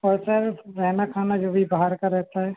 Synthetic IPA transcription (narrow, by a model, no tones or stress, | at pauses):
ɔːɾsəɾɾɛɦnakʰaːnad͡ʒoːbʱibaɦaɾkaɾːɛɦt̪aɦɛː